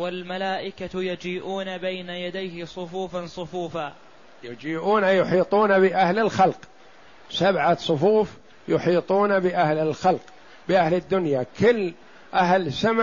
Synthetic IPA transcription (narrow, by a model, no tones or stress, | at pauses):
walmalaːʔɪkat̪jad͡ʒiːʔuːnabajnajad̪ajhɪsˤʊfuːfansˤʊfuːfaː | jad͡ʒiːʔuːnajʊħiːt̪ˤuːnabɪʔahlɪlxalq | sabʕasˤʊfuːf | jʊħiːt̪ˤuːnabɪʔahlɪlxalq | bɪʔahlɪd̪ːʊnjakɪlː | ʔaɦlsam